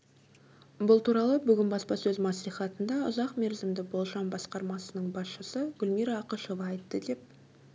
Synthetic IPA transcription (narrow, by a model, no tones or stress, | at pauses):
bʊlˠt̪ʰuɾɑlˠəbʏɡʲɪnbɑspɑsɵzmɑsliχɑt̪ənd̪ɑʊ̰zɑqme̞ɾzɪmd̪ɪbo̞lˠʒɑmbɑsqɑɾmɑsənəɴbɑsʃəsəɡ̥ʲʏlmiɾɑːqəʃovɑːjt̪ːəd̪e̞p̚